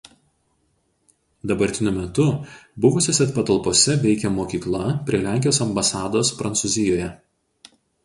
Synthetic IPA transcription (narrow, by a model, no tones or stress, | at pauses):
d̪ɐbɐɾʲt̪ʲɪnʲʊmʲɛt̪ʊbʊʋʊsʲoːsʲɛt̪pɐt̪ɐlˠpoːsʲɛʋʲɛɪkʲɛmoːkʲiːklˠɐpʲɾʲiɛlʲæˑŋʲkʲɪjoːsɐmbɐsɑːd̪oːspɾɐnsuːzʲɪjoːjɛ